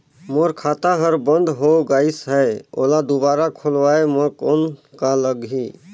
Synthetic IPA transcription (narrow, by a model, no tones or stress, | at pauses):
moɾkʰaːt̪aɦəɾbənd̪ʱɦoɡaisɦɛo̰lad̪ubaɾakʰolʋaeməkonkaləɡɦi